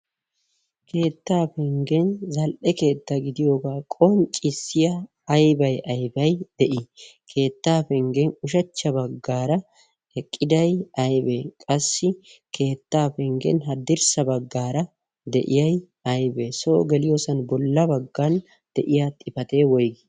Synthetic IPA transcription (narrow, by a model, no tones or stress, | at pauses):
kʰe̞ːt̪ːaːfɛŋɡɛnzɐlʔɛke̞ːt̪ːɐɡɪd̪ɪjo̞ːɡaːkʼɔnt͡ʃʼːɪsːɪjɐ | ɐjbɐjɐjbɐjd̪̥ɛʔɪkʰe̞ːt̪ːaːfɛŋɡɛnʊʃ̬ɐt͡ʃːɐbɐɡːaːɾɐ | ɛkʼːɪd̪ɐjɐjbekʼɐsːɪkʰe̞ːt̪ːaːfɛŋɡɛ̰nɦɐd̪ɪɾsɐbɐɡːaːɾɐ | d̪ɛʔɪjɐj | ɐjbesoːɡɛlɪjoːsɐnbɔlːɐbɐɡːɐn | d̪̥ɛʔɪjaːt̪ʼɪfɐt̪e̞ːwɔjɡ